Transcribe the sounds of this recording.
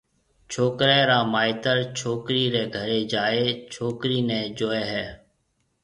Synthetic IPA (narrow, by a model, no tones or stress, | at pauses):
t͡ʃʰoːkɾɛ̃ːɾaːmaːɪt̪əɾt͡ʃʰoːkɾiːɾɛːɡʱəɾeːd͡ʒaːeːt͡ʃʰoːkɾiːnɛ̃ːd͡ʒoːeːɦɛː